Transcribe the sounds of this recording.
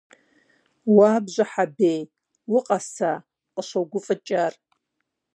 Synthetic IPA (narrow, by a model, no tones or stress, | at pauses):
waːbʒʷaħabej | wʊqʼasa | qʼəʃʷawɡʷʊfʼɨt͡ʃʼar